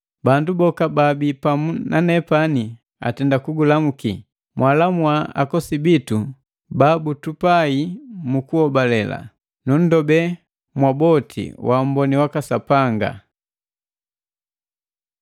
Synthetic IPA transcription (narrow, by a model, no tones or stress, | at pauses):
bandubɔkababipamunanɛpani | a̰tɛndakuɡulamuki | mwʔalamwaa̰kɔsibitu | babutupaimukuhɔbalɛla̰ | nun̩dɔbɛ | mwabɔtʰḭwam̩bɔniwakasapaŋɡa̰